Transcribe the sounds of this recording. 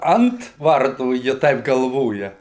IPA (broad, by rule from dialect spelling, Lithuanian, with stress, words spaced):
ˈɐnt ˈʋɐrtuː jɪ ˈtɐɪp ɡɐlˠˈʋoːjɛ